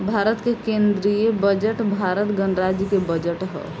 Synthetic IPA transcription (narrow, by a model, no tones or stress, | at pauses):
bʱaɾət̪kekẽnd̪ɾijebəd͡ʒəʈbʱaɾət̪ɡənɾad͡ʒjəkebəd͡ʒəʈɦɛ̰